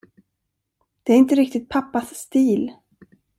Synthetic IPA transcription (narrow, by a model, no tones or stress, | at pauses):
d̪̥ɛæɾɪnt̪əɾɪk̚t̪ɪt̪̚pʰapːasːt̪iːl